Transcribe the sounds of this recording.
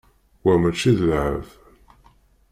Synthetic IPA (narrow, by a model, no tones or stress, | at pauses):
wæmæt͡ʃːiðəlʕə̰v